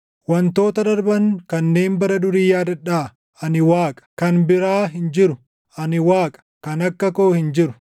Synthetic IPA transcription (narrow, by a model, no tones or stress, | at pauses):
wɐnt̪o̞ːt̪ɐd̪ɐɾbɐŋkɐnːe̞ːnbɐɾɐd̪ʊɾiːjaːd̪ɐᶑaː | ʔɐnɪwaːkʼɐ̥kɐnbɪɾaːɦɪnd͡ʒɪɾʊ | ɐnɪwaːkʼɐ̥kɐnɐkːɐko̞ːhɪnd͡ʒɪɾʊ̥